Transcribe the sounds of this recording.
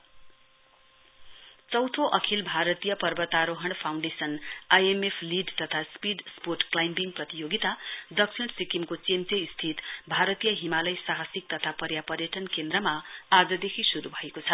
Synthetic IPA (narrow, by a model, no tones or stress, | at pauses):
t͡sʌwt̪ʰoʔʌkʰilbʱaɾʌt̪ijʌpʌrbʌt̪aɾoɦʌɳpʰawɳɖesʌnajemepʰliɖt̪ʌt̪ʰaspiɖsporʈklajmbiŋprʌt̪ijoɡit̪ad̪ʌksʰiɽsikimkot͡semt͡seist̪ʰit̪bʱaɾʌt̪ijʌɦimalʌjsaɦasik̚t̪ʌt̪ʰapʌɾjapʌɾjʌʈʌnkend̪rʌmaad͡zʌd̪ekʰisuɾubʱʌekot͡sʰʌ